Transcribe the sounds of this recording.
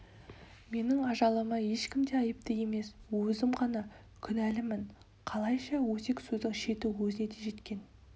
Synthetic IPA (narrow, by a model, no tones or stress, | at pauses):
me̞nɪŋɑʒɑlˠəməje̞ʃkʲɪmd̪e̞ɑjəp̚t̪əje̞me̞swɵzɪmqɑnɑ | kʲʰʏnælɪmɪɴ | qʰɑlˠɑjʃɑwɵse̞ksɵzd̪ɪŋʃe̞t̪uwɵzɪne̞d̪e̞ʒe̞t̪kʲe̞n